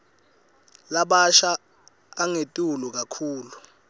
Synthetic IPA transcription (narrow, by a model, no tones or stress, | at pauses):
laɓaʃaː | ŋetʼulɔk̬akʰuːlu